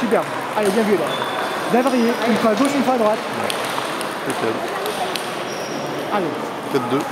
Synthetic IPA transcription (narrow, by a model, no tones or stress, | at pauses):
syp̬ɛʁb | alebjɛ̃vnyalɛ̰ | d̪avaʁijeynfwaɡoʃynfwaad̪ʁwat̪ | ɛ̰ | spesja̰l | ale | kʲat̪̚d̪ø